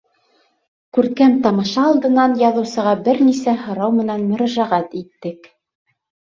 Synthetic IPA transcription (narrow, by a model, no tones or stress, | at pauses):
kʉɾkæmt̪ɑmɤ̆ʃɑːlˠd̪ɤ̆nɑnjɑðɤ̆wsɤ̆ʁɑbɘɾnisæhɤ̆ɾɑwmɘ̆nænmɵ̆ɾæʒæʁæt̪it̪ːɘk